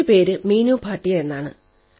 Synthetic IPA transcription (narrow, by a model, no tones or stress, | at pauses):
ɨpe̞ːɾɨmiːnuːpʰaːʈːijɐenːaːɳɨ̰